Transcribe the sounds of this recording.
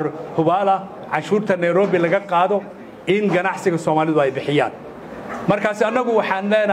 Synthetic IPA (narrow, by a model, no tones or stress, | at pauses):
hʊβaːlɐ | ʕɑʃuːrt̪ʰɐnɛjɾɔːβɪlɐɣɐqɑːðɔ | ʔɪŋɡɐnɑʕsɪɣɐsɔːmaːlɪðʊɛjbɪħɪja̰ːn | mɐrkʰaːsɪɐnːɐɣʊwɑħɑːnlɛːnɐ